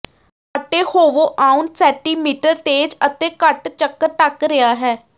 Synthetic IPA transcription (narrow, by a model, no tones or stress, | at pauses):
əʈːeːhoːʋoːʔaːunsɛːʈiːmiːʈəɾt̪eːd͡ʒət̪ẽːkəʈt͡ʃəkːəɾʈəkɾɪaːɦɛː